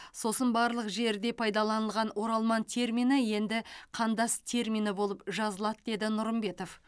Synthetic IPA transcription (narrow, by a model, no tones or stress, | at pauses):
so̞sənbɑɾlˠəqʒe̞ɾd̪e̞pʰɑjd̪ɑlˠɑnəlˠʁɑnwo̞ɾɑlˠmɑnt̪ʲʰe̞ɾmʲinəje̞nd̪ɪqʰɑnd̪ɑst̪ʰe̞ɾmʲinəbo̞lˠəpʒɑzəlˠɑd̪əd̪e̞d̪ɪnʊɾəmbe̞t̪o̞f